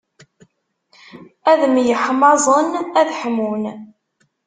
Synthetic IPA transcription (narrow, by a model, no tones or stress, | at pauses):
æðmjəħmɑzˤənæðħəmun